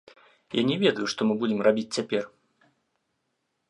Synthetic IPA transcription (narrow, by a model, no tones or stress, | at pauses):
janʲɛvʲɛd̪ɐjuʂt̪ɔmɨbud͡zʲɪmrabʲit͡sʲt͡sʲapʲɛr